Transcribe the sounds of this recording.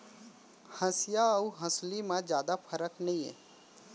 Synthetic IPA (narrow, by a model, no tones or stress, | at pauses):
hə̃sjaəuɦə̃slimãd͡ʒjaːd̪apʰəɾəknɐĩɦɛ̰̃ː